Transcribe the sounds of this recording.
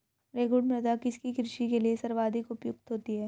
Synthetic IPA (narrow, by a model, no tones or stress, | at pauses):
ɾeːɡʊɖmɾɐd̪akɪskikɾɪʃikeliesɐɾʋaːd̪ʱɪkʊpjʊk̚t̪ɦoːt̪iɦɛː